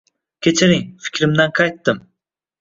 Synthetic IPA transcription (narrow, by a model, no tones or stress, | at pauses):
kʲʰet͡ʃʰɪɾɪŋfɪ̥kʲʰɾɪmd̪anqʰɑjt̪ːɪm